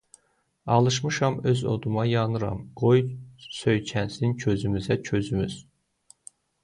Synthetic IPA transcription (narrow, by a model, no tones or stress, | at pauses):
ɑlˠɯʃ̬mɯʃɑmøzo̰d̪umɑjɑnɯɾɑ̰mɡ̥o̞jsø̞jcʰænsnincʰø̞zymyzæcʰø̞zymyz